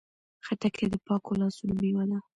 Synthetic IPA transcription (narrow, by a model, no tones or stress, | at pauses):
xaʈakʰed̪əpɑkolɑsulmiwad̪a